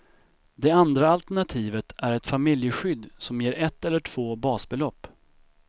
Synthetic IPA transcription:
d̪ɛand̪ɾaalt̪æɳat̪ʰiːvət̪ʰæɾɛt̪famɪljəɧʏd̪ːsɔmjeːɾʔɛt̪ːɛlːəʈʰv̥oːbɑːsbɛlɔpː

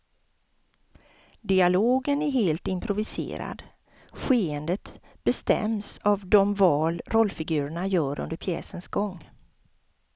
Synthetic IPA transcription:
d̪ɪaloːɡənæɾɦeːlt̪ɪmpʰɾʊvɪsḛːɾa̰d̪ | ɧeːənd̪ət̪ | b̥ɛst̪ɛ̰msavd̪ɔmvɑːlɾʔɔlːfɪɡʉ̟ːɾəɳajœːɾɵ̰nd̪əɾpʰjɛ̰ːsənsɡɔŋː

